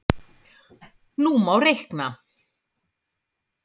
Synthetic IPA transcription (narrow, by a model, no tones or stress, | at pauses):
nuːmawrɪhkna